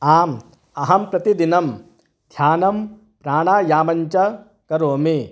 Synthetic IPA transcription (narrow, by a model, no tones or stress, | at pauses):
aːm | ɐɦɐmpɾɐt̪id̪inɐm | d̪̥ʱjaːnɐm | pɾaːɳaːjaːmɐɲt͡ʃɐ | kɐɾoːmi